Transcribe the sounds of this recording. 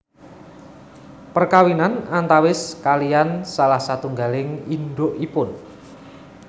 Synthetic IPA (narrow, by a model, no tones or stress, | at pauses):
pərkawinanant̪awɪskalijansalahsat̪uŋɡalɪŋinɖ̪oʔipʊn